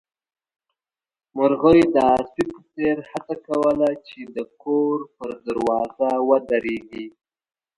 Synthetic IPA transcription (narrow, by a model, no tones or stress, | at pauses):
mʊɾɣəwd̪əasipəseɾhat͡sakawəlat͡ʃed̪əkʰoɾpəɾd̪əɾwɑzawəd̪aɾeɡi